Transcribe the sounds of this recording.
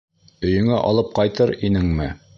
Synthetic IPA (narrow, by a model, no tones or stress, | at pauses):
ɵ̆jɵ̆ŋæʔɒ̰lˠɤp̚qɑjt̪ɤɾinɘŋmɘ